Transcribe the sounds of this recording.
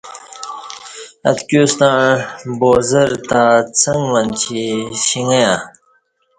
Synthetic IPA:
ɐ̰t̪kuːst̪ãboːzɐɾt̪at͡sɐŋɡʋɐnt͡ɕʰiɕiŋɐjã

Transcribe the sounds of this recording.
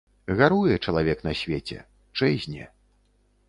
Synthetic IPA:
ɣaɾujɛt͡ʂɐlˠavʲɛknɐsʲvʲet͡sʲɛ̰ | t͡ʂɛzʲnʲɛ̰

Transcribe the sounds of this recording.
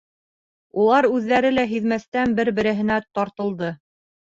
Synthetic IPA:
ulˠɑɾʉðːæɾɘlæɦiðmæst̪ænbɘɾbɘ̆ɾɘ̆ɦɘ̆næt̪ɑɾt̪ɤ̆lˠd̪ɤ

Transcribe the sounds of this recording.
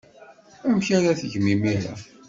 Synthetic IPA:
æmçaɾæθəʝmimiɾæ̰

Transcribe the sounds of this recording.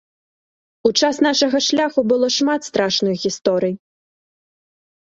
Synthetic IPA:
ut͡ʂasnaʂɐɣɐʂlʲaxubɨlˠɔʂmat̪st̪ɾaʂnɨxɣʲist̪ɔɾɨj

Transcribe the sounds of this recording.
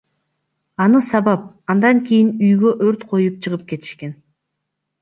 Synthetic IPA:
ɑnɯsɑβɑp̚ | ɑnd̪ɑŋkʰʲijinyjɡø̞ʔøɾt̪qʰo̞jup̚t͡ʃʰɯʁɯp̚ke̞t̪ʰi̥ʃke̞n

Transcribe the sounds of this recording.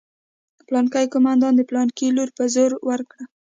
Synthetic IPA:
plɑnkajkʊmand̪ɑnd̪əplɑnkiluɾpazoɾwaɾkɽa

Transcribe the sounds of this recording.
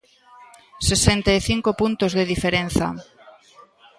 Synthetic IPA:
sesent̪aiθiŋkopunt̪ozðeðifeɾenθa̰

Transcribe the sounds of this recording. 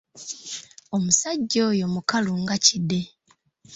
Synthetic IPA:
omusaɟːoːjo̞mukaluŋɡacide̞

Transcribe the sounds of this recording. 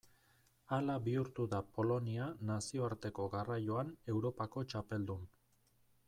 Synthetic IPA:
alaβiuɾt̪uðapo̞lo̞nianasio̞aɾt̪e̞ko̞ɣarajo̞ane̞wɾo̞pako̞t͡ʃape̞ld̪un

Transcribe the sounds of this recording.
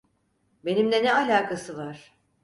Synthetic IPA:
be̞nimd̪ɛnɛalʲaːkʰasɯvaɾ̥

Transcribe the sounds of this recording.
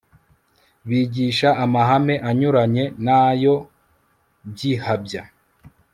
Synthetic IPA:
βiːɟiːʃaʔːmaɦame̞ʔaɲuɾaɲe̞najo̞ | bjihabja

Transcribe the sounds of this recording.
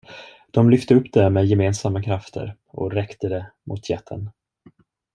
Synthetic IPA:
d̪̥ɔmlʏft̪əɵpːd̪̥ɛmɛːd̪jɛmeːnsamːakʰɾaft̪ʰə̰ɾ | ʔɔ̰ɾɛkt̪əd̪ɛmʔʊ̰t̪ʰjɛt̪ʰːə̰n

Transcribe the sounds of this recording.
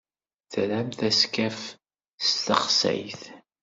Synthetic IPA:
θɾæmθæskæf | st̪əχsæ̰jθ

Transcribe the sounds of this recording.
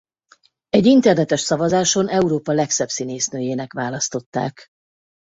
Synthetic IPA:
ɛɟint̪ɛrnɛt̪ɛʃsɒvɒzaːʃo̞nʔɛuɾoːpɒlɛksɛbsineːsnøːjeːnɛkʋaːlɒst̪o̞t̪ːa̰ːk

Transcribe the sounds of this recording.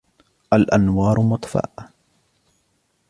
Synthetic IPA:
ʔalʔanwɑːɾˤmʊt̪ˤfa̰ːʔ

